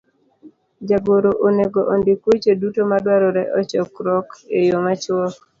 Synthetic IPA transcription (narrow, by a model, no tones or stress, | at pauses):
d͡ʒaɡoɾoʔoneɡoʔɔndɪkwet͡ʃedutomadwaɾɔɾɛʔɔt͡ʃɔkɾɔkejomat͡ʃwɔk